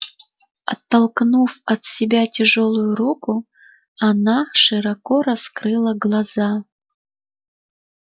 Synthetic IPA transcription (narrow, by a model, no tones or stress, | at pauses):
ɐ̰t̪ːɐlˠknufɐt̪sʲɪbʲatʲɛʐolˠʊjuɾukʊ | anaʂɨɾakɔɾɐskɾɨlˠɐɡlˠɐza